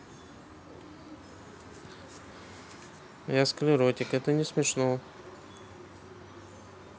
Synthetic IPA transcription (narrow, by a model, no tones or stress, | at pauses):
jaskəlʲɪɾotʲɪkɛt̪ənʲɪsmʲɪʂno